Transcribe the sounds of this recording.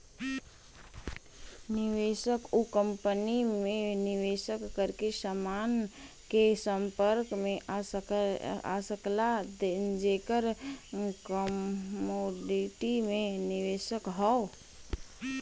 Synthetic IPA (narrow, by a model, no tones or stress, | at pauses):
nɪʋeːʃəkukə̃mpənimẽnɪʋeːʃəkːəɾkesəmaːn | kesə̃mpəɾkmẽ | a̰səklad̪ed͡ʒeːkəɾ | kəmoːɖɪʈimẽnɪʋeːʃəkɦɔo